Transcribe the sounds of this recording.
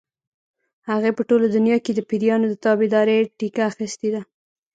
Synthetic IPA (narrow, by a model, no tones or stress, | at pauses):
haɣepəʈolod̪ʊnjɑked̪əpiɾjɑnod̪ət̪ɑbɪd̪ɑɾeʈikaːxist̪ed̪a